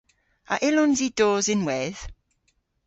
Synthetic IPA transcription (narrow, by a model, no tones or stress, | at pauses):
a̰ʔɪlʊnzid̥oːzɪnwɛð̥